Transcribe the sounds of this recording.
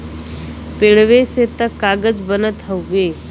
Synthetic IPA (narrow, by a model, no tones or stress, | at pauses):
peɭʋeset̪əkːaɡəd͡zbənət̪ɦəwːe